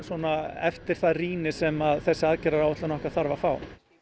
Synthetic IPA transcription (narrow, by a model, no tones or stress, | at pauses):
sɔnaɛft̪ɪɾ̥θaðriːnɪsɛmaðθɛsːɪaðcɛɾaɾawvɛt̪lanɔhkaθaɾvafaːw